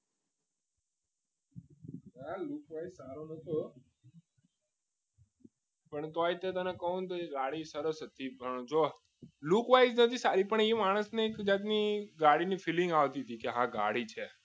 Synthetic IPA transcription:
nalukʋaizsaɾonət̪ʰo | pəɳt̪ojt̪et̪ənekəɦũnt̪oeɡaɽisəɾəsɦət̪ibə̃t͡ʃʰo | lukʋajznət̪ʰisaɾipəɳemaːɽ̃əsnekd͡ʒat̪̬niɡaɽinifilɪ̃ŋɡaʋt̪it̪ʰikeɦãɡa̰ɽit͡ʃʰe

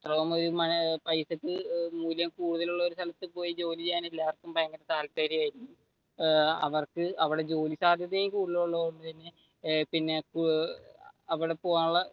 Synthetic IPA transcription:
t̪rɐʋɐmo̞ɾumɐpɐjsɐkːɨmuːljɐmkuːɽuðɐluɭːɐo̞ɾust̪ʰɐlɐt̪ːɨpo̞ːjid͡ʑo̞ːlit͡ɕejːaːnelːaːʋɐrkːumpɐjɐŋɡɐdɐt̪aːlpaːɾijaːjiɾikːu | ɐ̰ʋɐrkɨɐʋiɽe̞d͡ʑo̞ːlisaːd̪ʱjɐd̪ejmkuːɽuðɐɭuɭːɐuɳːɖɨt̪ɐnːe̞ | pinːe̞k | ɐʋiɽepoːjaːɭːɐ

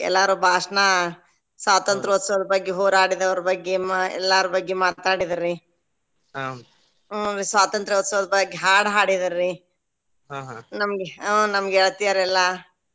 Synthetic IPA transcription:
ɛ̰lːaːɾubʱaːʂɐna | sʋaːt̪ɐnt̪ɾɐʋɐt̪ːsɐʋɐd̪ɐbɐɡːeɦoːɾaːɽid̪ɐʋɐɾɐbɐɡːemɛ̰lːaɾɐbɐɡːemaːt̪aːɽid̪ɐɾːi | ɾisʋaːt̪ɐnt̪ɾɐʋɐt̪ːsɐʋɐd̪ɐbɐɡːeɦaːɽɦaːɽid̪ɐɾːi | ɦaɦnɐmɐɡenɐmɐɡeɛɭt̪ijɐɾɛlːɐ

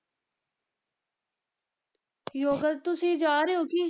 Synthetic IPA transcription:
joːɡəlt̪ʊsĩːd͡ʒaːɾeoːkiː

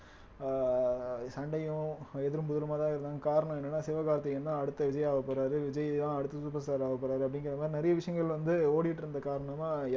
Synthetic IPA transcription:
sɐɳɖɐjʊ̃ɛðɪɾɯmpʊðɯlɯmaːt̪ãːɪɾɯnd̪aːɡɐkaːɾɐɳɐ̃mɛnːɐnːaːsɪʋɐɣaːɾɐt̪ːɐjɛnːãːɐɽɯt̪ːɐʋɪd͡ʒɐjaːʋɐpːɐɾaːɾɯʋɪd͡ʒɐjɪt̪ãːɐɽɯt̪ːɐspɐsaːɾaːʋɐpːɐɾaːɾɯɐpːɐɽɪŋɡɪɾɐd̪ɐmaːɾinɛɾɐjɐʋɪʂɐjɐŋɡɐɭʋɐnd̪ɯoːɽɪʋɪʈːɪɾɯnd̪ɐkaːɾɐɳɐm

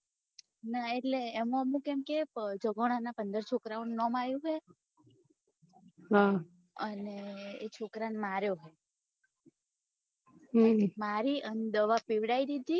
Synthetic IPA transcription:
naeʈleːmũəmũkemked͡ʒəɡoɽ̃anapənd̪əɾt͡ʃʰokɾaũnːɔmajũɦej | ɦa | əneːt͡ʃʰokɾanmaɾjoɦɔ | maɾiəned̪əʋapiʋɽaid̪id̪ʱi

